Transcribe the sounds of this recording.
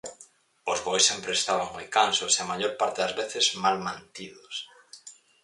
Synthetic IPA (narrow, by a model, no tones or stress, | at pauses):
ozɣojsempɾeːst̪aβaŋmojkansoseamaʎoɾpaɾt̪eðazβeθezmalmãnt̪iðos